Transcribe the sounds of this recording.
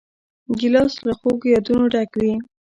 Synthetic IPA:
ɡɪlɑsləxoɡjɑd̪unoɖakwi

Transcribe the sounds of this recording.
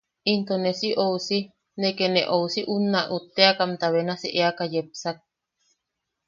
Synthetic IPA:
int̪onesiʔousi | nekeneʔousiʔunaʔut̪ːeakamt̪aβenasḭʔeakajepsak̚

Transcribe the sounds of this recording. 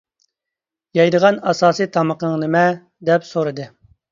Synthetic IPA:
jɑjd̪əʁɑnɑsɑːsit̪ʰɑməqəŋnɨmɛ | d̪ɛpsoɾɨd̪ɨ

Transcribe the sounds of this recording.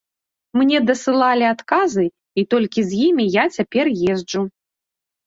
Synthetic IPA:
mnʲɛd̪ɐsɨlˠalʲiat̪kazɨ | it̪ɔlʲkʲizʲjimʲijat͡sʲapʲɛrjɛzd͡ʐu

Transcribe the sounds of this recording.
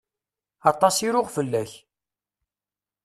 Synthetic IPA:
ɑt̪ˤɑsiɾʊʁfəlːæç

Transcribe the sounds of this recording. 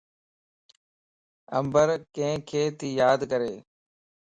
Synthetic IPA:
əmbəɾkẽːkʰeːt̪iːjaːd̪kəɾeː

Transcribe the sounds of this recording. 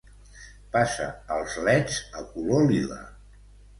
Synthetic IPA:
pasə̰əlˠzlɛd͡zəkulolilə̰

